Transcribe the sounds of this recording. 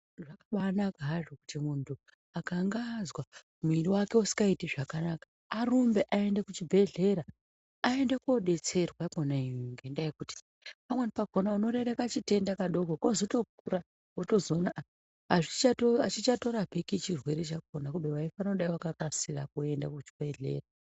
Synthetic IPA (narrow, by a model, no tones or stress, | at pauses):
ʐakaɓanakaʐokutimuntʰu | akaŋɡazwa | muiriwake̞usi̥kɡaitiʐakanakḁːrumbe̞ʔae̞ndekut͡ʃibʱe̞ɮe̞ɾaː | e̞ndekoɗe̞t͡se̞rwakonaiŋɡe̞ndajekuti̥ | pamwenipaɡ̥ʱo̞nauno̞ɾe̞re̞kat͡ʃite̞ndakaɗo̞ɡʱokozoto̞k̚uɾa | oto̞zo̞naʔa | aʐit͡ʃatoat͡ʃit͡ʃato̞ɾapikit͡ʃirwe̞ɾe̞t͡ʃak̚onakubewaifanoɗaiwakakasira̰kue̞nda̰kut͡ʃi̥bʱe̞ɮe̞̰ːra